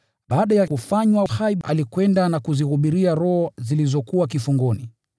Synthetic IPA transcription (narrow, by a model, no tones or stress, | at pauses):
ɓaːɗajakufaɲwahaiɓʔa̰likwɛndanakuzihuɓiɾiaɾɔhɔzilizɔkuwakifuŋɡɔni